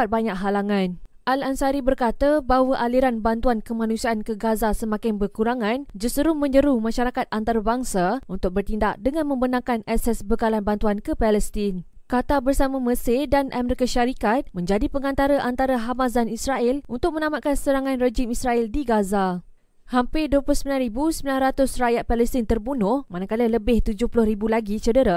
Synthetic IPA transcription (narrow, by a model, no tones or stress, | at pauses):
at̪̚baɲakɦalaŋãnʔalansaɾibərkat̪abaɦwaʔaliɾanbant̪uankəmãnũsiaʔankəɡazasəmãkaŋbərkuɾaŋãnd͡ʒəsəɾumə̃ɲd͡ʒəɾumãʃaɾakat̪̚ʔant̪aɾabaŋsaunt̪ʊk̚bərt̪indaʔ̚dəŋãnmə̃mbənãŋkanɛsɛsbəkalanbant̪uankəpɛlɛst̪in | kat̪abərsamãmə̃sedanʔa̰mɛɾikaʃaɾikat̪̚mə̃ɲd͡ʒadipəŋant̪aɾaʔant̪aɾaɦamazanisraɪlunt̪ʊk̚mə̃nãmat̪̚kansəɾaŋãnred͡ʒɪmisraɛldiɡaza | hampɪdoplʊsəmilanribusəmilanrat̪ʊsrajat̪̚palɛst̪int̪ərbunʊhmanakalələbɪht̪ud͡ʒʊhpulʊhribulaɡit͡ʃədəɾa